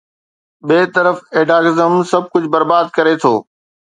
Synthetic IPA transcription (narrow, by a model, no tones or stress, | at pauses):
ɓeːt̪əɾəfeːɖaːɡɪzəmsɐb̚ʱkʊd͡ʑʱbɐɾbaːd̪̚kɐɾet̪ʰoː